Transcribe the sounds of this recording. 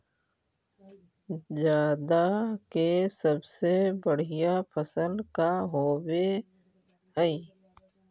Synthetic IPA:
zjaːd̪akesəbsebəɽ̤ijapʰəsəlkaɦoːwe | ɦəi

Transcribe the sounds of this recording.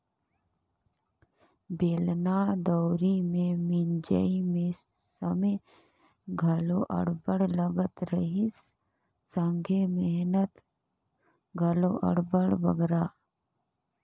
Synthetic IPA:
beːlnad̪ɔːɾimẽmɪnd͡ʒə̰imẽ | səme | ɡʱɐloʔə̰ɽbəɽləɡət̪ɾəɦis | sə̃ŋɡʱemeɦnət̪ | ɡʱɐloʔɐ̰ɽbəɽbə̰ɡɾaː

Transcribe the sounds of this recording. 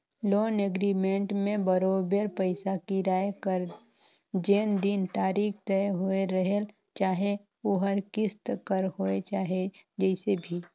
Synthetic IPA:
loːneɡɾiːmẽɳʈmẽbəɾoːbəɾpəɪsakiɾaːjkəɾ | d͡ʒeːnd̪int̪aːɾiːkt̪ɛɦoeɾəɦel | t͡ʃaːɦe | oɦəɾkɪst̪kəɾhoet͡ʃaːɦed͡ʒɛɪsebʱi

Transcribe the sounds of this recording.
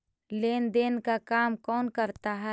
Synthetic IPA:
leːnd̪eːnkakaːmkɔːnkəɾt̪aɦɛ

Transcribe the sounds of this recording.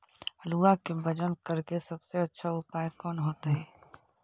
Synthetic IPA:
əluːakebɐd͡ʒənkɐɾkesɐbseɐtːʃʰaʊpaːekɔːnɦoːt̪aɦɛː

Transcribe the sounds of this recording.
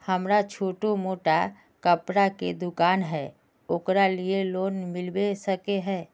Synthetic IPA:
hɐmɾat͡ʃʰoːʈomoːʈa | kəpɾaked̪ʊkaːnɦɛː | okɾalieloːnmɪlwesəkeɦɛː

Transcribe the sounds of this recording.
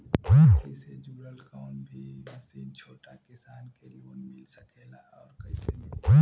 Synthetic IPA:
kəsed͡ʒuːɾəlkaʊɳbʱimɐsiːnt͡ʃʰoːʈakɪsaːnkeloːnmɪlsakʰeːla | ɔːɾkɐisemɪl

